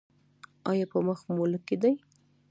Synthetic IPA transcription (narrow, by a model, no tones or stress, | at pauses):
ɑjɑpəməxmoləked̪aj